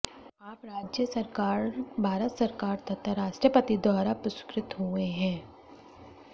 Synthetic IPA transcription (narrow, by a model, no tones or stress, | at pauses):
aːpɾaːd͡ʒjəsɐɾkaːɾbʱaːɾət̪sɐɾkaːɾt̪ɐt̪ːəɾaːʃʈɾəpət̪id̪waːɾapɾʊskɾɪt̪ɦuẽɦɛ̃ː